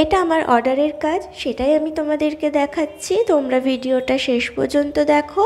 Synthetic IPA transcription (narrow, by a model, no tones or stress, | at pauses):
eʈaamaɾʔɔ̰ɾɖaɾeɾkad͡ʑʃeʈajamit̪omad̪eɾked̪ɛkʰatːɕʰit̪omɾabʱiɖioʈaʃeʃpo̰ɾd͡ʑont̪od̪ɛkʰo